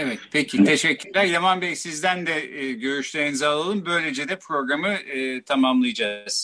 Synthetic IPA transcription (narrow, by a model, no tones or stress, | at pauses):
evɛt̪pʰecʰit̪ʰe̞ʃɛcʰʲːyɾlʲæɾjamanbɛsizd̪ænd̪ɛːɟø̞ɾyʃlʰʲeɾnizalˠalˠɯmbø̞jlʲe̞d͡ʒed̪ɛpʰɾo̞ɡɾamɯɯːt̪ʰamamlˠɯjad͡ʒaz̥